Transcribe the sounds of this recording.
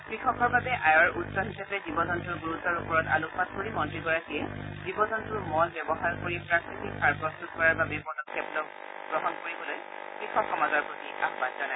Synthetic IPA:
kɹikʰɔkʰɔɹbabɛʔajɔɹutsɔɦisapɛzibɔzɔntuɹɡuɹutɔɹupɔɹɔta̰lukʰːat̚koɹimɔntɹiɡɔɹakiɛzibɔzɔntuɹmɔlbjɔbɔɦaɹkoɹipɹakɹitiksʰaɹpɹɔstutkɔɹaɹbabɛpɔdɔkʰːeblɔk | ɡɹɔɦɔnkoɹibɔloj | kɹikʰɔkxɔmazɔɹpɹotia̰kbatzana

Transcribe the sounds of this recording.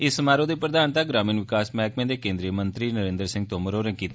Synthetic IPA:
ɪsːəmaːɾõːd̪eːpɾəd̪aːnt̪aːɡɾaːmiːnʋɪkaːsmɛ̃ːkmẽːd̪eːkẽːnd̪ɾiːəmənt̪ɾiːnəɾẽːnd̪əɾsɪ̃ŋɡt̪oːməɾoːɾɛ̃ːkiːt̪ː

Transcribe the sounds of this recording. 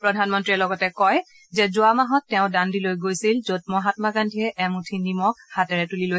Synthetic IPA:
pɹɔdʱanmɔntɹiɛlɔɡɔtɛkɔj | zɛzʊamaɦɔtːɛʊ̃dandilojɡojsilzot̚mɔɦatmakandʱiɛʔɛmutʰinimɔk̚hatɛɹɛtuliloj

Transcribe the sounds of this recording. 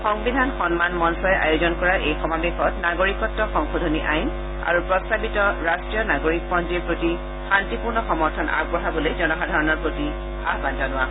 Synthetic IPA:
xɔŋbidʱanxɔnmanmɔnsɔɛʔa̰juzɔnkɔɹaɹʔejxɔmabexɔtnaɡoɹikɔtːɔxɔŋxodʱoniʔajn | a̰ɹupɹɔstabitɔɹastɹijɔnaɡoɹik̚pɔnd͡ʒiɹpɹoti | xantipuɹnɔxɔmɔɹtʰɔna̰b̚bɔɦabolojzɔnɔxadʱaɹɔnɔɹpɹoti | a̰ɦbantanʊwa

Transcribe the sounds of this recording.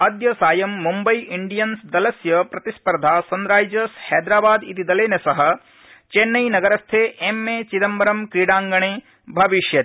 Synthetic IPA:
ɐd̪jɐsaːjɐmːumbɐjʔiɳɖijɐnsd̪ɐlɐsjɐpɾɐt̪ispɐɾd̪ʱaːsɐnɾaːd͡ʒɐshɛːd̪ɾaːbaːd̪it̪id̪ɐleːnɐsɐɦɐ | t͡ʃenːɐjnɐɡɐɾɐst̪ʰeːʔemːeːt͡ʃid̪ɐmbɐɾɐmkɾiːɽaːŋɡɐɳeː | bʱɐʋiʃjɐ

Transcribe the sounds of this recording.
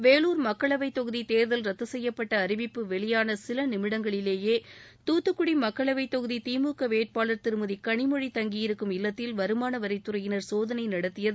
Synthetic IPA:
ʋeːluːɾmɐkːɐɭɐʋɐɪt̪ːɔɣɯðit̪eːɾðɐlɾɐt̪ːɐsɛjːɐpːɐʈːɐːɾɪʋɪpːɯʋɛɭɪjaːnɐsɪlɐnɪmɪɽɐŋɡɐɭɪleːjeːt̪uːt̪ːɯkːɯɽimɐkːɐɭɐʋɐɪt̪ːɔɣɯðit̪iːmuːkɐʋeːʈ̚paːlɐɾt̪ɪɾɯmɯðikɐɳɪmɔɻit̪ɐŋɡɪjɪɾɯkːɯmɪlːɐt̪ːɪlʋɐɾɯmaːnɐʋɐɾɐɪt̪ːɯɾɐjɪnɐɾsoːðɐnɐɪnɐɽɐt̪ːɪjɐð

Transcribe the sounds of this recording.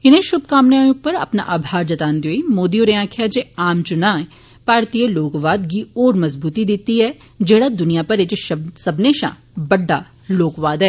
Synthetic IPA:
ɪnẽʃʊb̚ʱkaːmnaːjʊk̚pɐɾɐ̰pna̰ʔaːbʱaːɾd͡ʒɐt̪aːnd̪joːimoːd̪ijoɾeãːkʰjad͡ʒeaːmt͡ʃʊnaː | paːɾt̪iːjəloːkʋaːd̪kiɔːɾmɐzbuːt̪id̪ɪt̪iɦɛ | d͡ʒɛːɽad̪ʊnijapɐɾed͡ʒeʃsɐbneːʃã̰ː | bɐɖːa | loːkʋaːd̪ɦɛː

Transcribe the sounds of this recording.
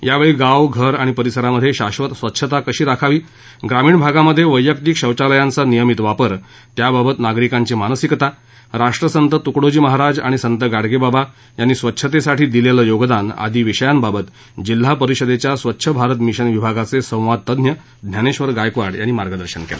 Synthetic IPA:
jaʋeɭiːɡaʋɡʱəɾaɽ̃ipəɾisəɾaməd̪ʱːjeɕaɕʋət̪sʋət̪ːɕʰət̪akəɕiːɾakʰaʋiː | ɡɾamiːɳbʱaɡaməd̪ʱːjeʋəjːəkt̪iːkɕəwt͡ɕaləjant͡sanijəmit̪ʋapəɾ | t̪jababət̪naɡɾikaɲt͡ɕimanəsikt̪a | ɾaʂʈɾəsənt̪ət̪ukɽod͡ʑiːməɦaɾad͡za̰ɽ̃isənt̪əɡaɽɡebaba | janːiːsʋətːɕʰət̪esaʈʰiːd̪ileləjoɡd̪ana̰d̪iːʋiɕəjanbabət̪ | d͡ʑil̤ːapəɾiɕəd̪et͡ɕjasʋətːɕʰəbʱaɾət̪miɕənʋibʱaɡat͡sesə̃w̃ʋad̪̚t̪əd̪njə | d̪ʱnjaneɕʋəɾɡajkʋaɽjanːiːmaɾɡəd̪əɾɕənkḛla̰

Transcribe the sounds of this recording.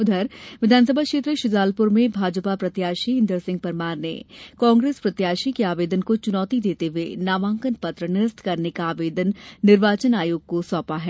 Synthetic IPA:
ʊd̪ʱəɾʋɪd̪ʱaːnsəbʱakʃeːt̪ɾəʃʊzaːlpʊɾmẽbʱaːd͡ʒəpapɾɐt̪jaːʃiɦɪ̃nd̪əɾsɪ̃ŋɡ̚pɐɾmaːɾnḛkɔ̃ːŋɡɾeːspɾɐt̪jaːʃikeaːʋeːd̪ənkot͡ʃʊnɔːt̪id̪eːt̪eʋenaːʋãːŋkənpɐt̪ɾənɪɾəst̪ʰkɐɾnekaːʋeːd̪ənːɪɾʋaːt͡ʃənaːjoːɡ̚kosɔ̃ːpaɦɛː

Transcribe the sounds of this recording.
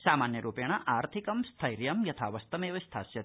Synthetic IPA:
saːmaːnjɐɾuːpjɐɳ̃ɐʔaːɾt̪ʰikɐmst̪ʰɐjɾjɐmjɐt̪ʰaːʋɐst̪ɐmeːʋɐst̪ʰaːsjɐ

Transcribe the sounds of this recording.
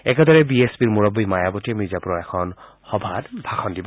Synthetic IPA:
ɛkɛdɔɹɛbiespiɹmuɹɔbːijmajabɔtiɛmizapuɹɔɛkʰɔn | xɔbʱatbʱaxʰɔndibɔ

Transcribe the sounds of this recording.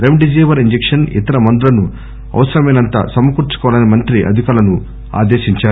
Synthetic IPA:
ɾemɖid͡ʒiːʋɐɾiɲd͡ʒekʂɐnḭt̪ɐɾɐmɐnd̪ulɐnu | ɐ̰ʋɐsɐɾɐmɐjnɐnt̪ɐ̰sɐmːɐkuɾt͡ʃu̥kɔʋlɐnimɐnt̪ɾiʔɐ̰d̪ʱikaːlɐnu | a̰ːd̪eːʃiɲt͡ʃaː

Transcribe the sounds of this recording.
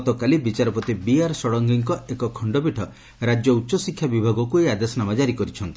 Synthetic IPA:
t̪ɔkalibit͡ʃaɾɔpɔt̪ibiaɾsɔɽɔŋɡiŋkɔʔekɔkʰɔɳɖɔbiʈʰɔ | ɾad͡ʒjɔutːʃɔsikʰːjabibʱaɡɔkuejad̪esɔnamad͡ʒaɾikɔɾit͡ʃʰɔnt̪i̥

